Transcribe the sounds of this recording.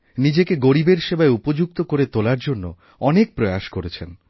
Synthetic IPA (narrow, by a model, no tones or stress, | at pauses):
nid͡ʑekeɡoɾibeɾʃebaeupod͡ʑuk̚t̪okoɾet̪olaɾd͡ʑonːo̰ | ɔnek̚pɾojaʃkoɾet͡ɕʰen